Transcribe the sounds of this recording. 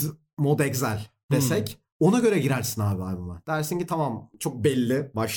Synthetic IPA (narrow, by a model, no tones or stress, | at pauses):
mod̪ɛczælʲ | d̪̥esɛc | o̞naɟø̞ɾɛɟiɾæɾsinaːbɪajbama̰d̪̥æɾsinɲcit̪ʰamamt͡ʃʰo̞k̚bɛlʲːɪbaʃ